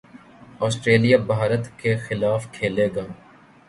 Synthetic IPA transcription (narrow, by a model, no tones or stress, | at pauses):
ɔːsʈɾeːlijabaːɾət̪kexɪlaːfkʰeːleːɡaː